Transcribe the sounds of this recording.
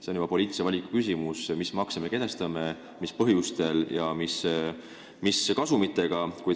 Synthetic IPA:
se̞njubɑpo̞lʲiːt̪isevɑlʲikˑu̥kysimusmismɑkseme̞ke̞d̪̥est̪ɑme | mispɤɦjust̪e̞ljɑmis | miskɑsumit̪ːˑe̞ɡ̥ɑkuj

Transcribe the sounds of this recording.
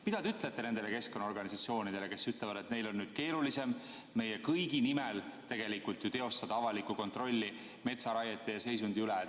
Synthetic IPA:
mid̪̥ɑd̪eyt̪ˑlet̪ːe̞nend̪e̞leke̞sko̞nːɑoɾɡ̥ɑnisɑt̪sio̞ːnid̪ele̞ke̞syt̪levɑd̪e̞t̪ne̞jlo̞nːyːd̪̥̚ke̞ːɾulise̞mː | e̞jekɤjɡ̥inimelt̪e̞ɡ̥e̞likult̪jut̪e̞o̞st̪ɑd̪̥ɑɑvɑlikːuko̞nt̪ro̞lʲːi | me̞t̪sɑɾɑjet̪ːˑejɑse̞js̬und̪̥iylɛ

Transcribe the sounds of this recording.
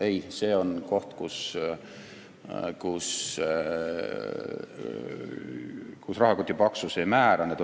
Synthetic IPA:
ejse̞ːonko̞ht̪kus | kus | kusrɑhɑkot̪ʲːipɑksusemæːɾɑnet̪

